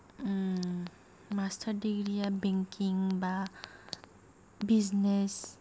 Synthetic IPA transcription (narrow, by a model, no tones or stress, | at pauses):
mastʰaɾdiɡɾijabeŋkiŋba | biznes